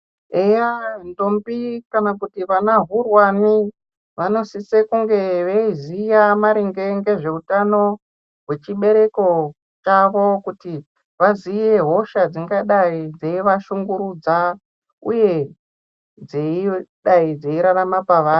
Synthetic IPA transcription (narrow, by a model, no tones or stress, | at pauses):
ejando̞mbikanakutiʋanaɦurwani | ʋano̞sisekuŋɡe̞ʋeizijamaɾiŋɡe̞ŋɡe̞ʐe̞utano̞ | ɦwe̞t͡ʃiɓe̞ɾe̞ko̞ | t͡ʃaʋo̞kuti | ʋazijeɦo̞ʃad͡ziŋɡaɗaid͡zeiʋaʃuŋɡuɾud͡za | uje̞ | d͡zeiɗaid͡zeiɾaramapaʋaːro